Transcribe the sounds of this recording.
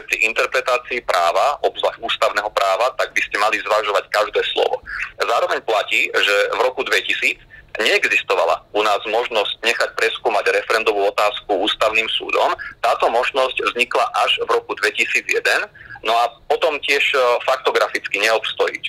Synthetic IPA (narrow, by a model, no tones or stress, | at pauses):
pɾiʔint̪ɛɾpɾɛt̪aːt͡siːpɾʔaːʋaɔbzlaxuːst̪aʊnɛːɦɔpɾaːʋat̪aɡ̚biscɛmalizʋaʒɔʋackaʒd̪ɛːslɔ̰ʋɔ̰zaːɾɔʋɛɲplaciːʒɛvɾɔkud̪ʋɛcisiːd͡zɲɛɛɡzist̪ɔʋa̰la̰unaːzmɔʒnɔsc̚ɲɛxac̚pɾɛskuːmaɟɾɛfɛɾɛnd̪ɔʋuːɔt̪aːskuuːst̪aʊniːmsṵːd̪ɔ̰mt̪aːt̪ɔmɔʒnɔscvzɲiklaʔaʒʋɾɔkud̪ʋɛcisiːd͡zjɛd̪ɛnnɔapɔt̪ɔmcɪɛʃfak̚t̪ɔɡɾafit͡skiɲɛɔpst̪ɔjḭc